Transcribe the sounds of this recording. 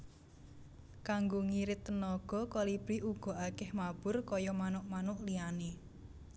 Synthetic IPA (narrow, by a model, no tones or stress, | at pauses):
kaŋɡoŋiɾɪt̪ːənɔɡ̥ɔ̤kɔlib̥ɾiʔuɡ̥ɔ̤ʔakɛhmab̥ʊrkɔjɔmanʊʔmanʊʔliane